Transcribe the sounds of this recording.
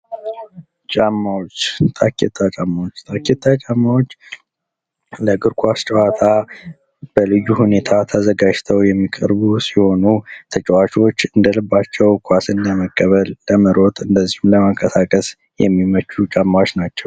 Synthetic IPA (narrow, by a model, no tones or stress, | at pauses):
t͡ʃʼamːawot͡ʃːt̪ʼʰakːḛt̪ʰʼːat͡ʃʼamːawot͡ʃːt̪ʰʼaket̪ʰʼːat͡ʃʼamːawot͡ʃː | ləɡɨɾkʰʼʷast͡ʃʼəwat̪ʰa | b̥əlɨjːuhune̞t̪ʰat̪ʰəzəɡad͡ʒt̪ʰəwjɛmːikʼəɾbusiho̞nut̪ʰət͡ʃʼəwat͡ʃo̞t͡ʃːɨnd̪əlɨbːat͡ʃːɛwkʰʷasɨndəməkʼːəβəlːəməɾʔo̞t̪ʰʼɨnd̪əzːihumləməŋkʰʼəsakʼəs | jɛ̰mːimət͡ʃːut͡ʃʼamːawot͡ʃnat͡ʃːɛw